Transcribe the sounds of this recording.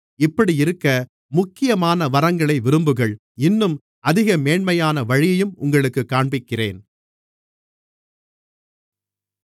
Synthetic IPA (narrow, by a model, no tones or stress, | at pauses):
ɪpːɐɽiɪɾɯkːɐ | mʊkːɪjɐmaːnɐʋɐɾɐŋɡɐɭɐɪʋɪɾɯmbɯɣɐɭ | ɪnːɯm | ʔɐðɪɣɐmeːɳmɐjaːnɐʋɐɻɪjɐjɯmʊŋɡɐɭɯkːɯkːaːɳbɪkːɪrḛːn